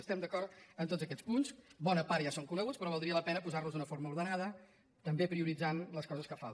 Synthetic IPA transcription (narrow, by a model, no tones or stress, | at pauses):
əst̪ɛmd̪əkɔɾt̪ənt̪otd͡zzəkɛt͡spunsbɔnəpaɾʒasoŋkulɛwəspɾɔβ̞əlˠd̪ɾiələpɛnəpuzarluzðunəfoɾməuɾðənaðə | t̪əmbepɾiuɾid͡zanləskɔzəskəfa̰lˠ